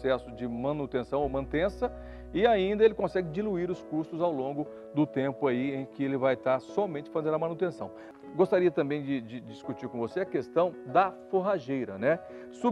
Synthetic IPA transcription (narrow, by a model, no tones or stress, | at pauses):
sɛsʊd͡ʒɪmɐ̃nut̪ẽsɐ̃w̃owmɐ̃nt̪ẽsɐ | ɪaĩnd̪ɐelɪkõsɛɡɪd͡ʒiluiɾʊskust̪ʊzawlõɡʊ | d̪ʊt̪ẽmpʊaiẽj̃kɪelɪvajt̪aɾsɔmẽnt͡ʃɪfazẽnɐmɐ̃nut̪ẽsɐ̃w̃ | ɡost̪aɾiɐt̪ɐ̃mbẽj̃d͡ʒɪd͡ʒɪd͡ʒiskut͡ʃiɾkõvoseɐkest̪ɐ̃w̃d̪ɐfoɦaʒejɾɐnɛ | su